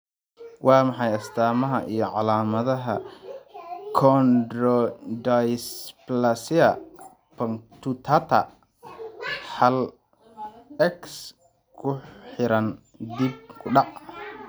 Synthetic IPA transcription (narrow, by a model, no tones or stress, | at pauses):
wʔɑːmɑħɑjɐst̪ʰaːmɐɦɐʔijɞʕɑlaːmɐðɐɦɐ | kʰɔnd̪rɔd̪ajsplɐsɪɐ | pʰɐŋt̪ʰut̪ʰat̪ʰɐ̰ | ħɑl | ɛks | kʰʊħɪɾɐn | d̪ib̚kʰʊɖɑʕ